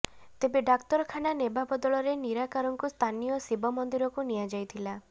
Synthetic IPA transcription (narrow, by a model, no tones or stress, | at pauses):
t̪ebeɖakt̪ɔɾɔkʰananebabɔd̪ɔɭɔɾeniɾakaɾɔŋkust̪ʰanijɔsibɔmɔnd̪iɾɔkuniad͡ʒajt̪ʰila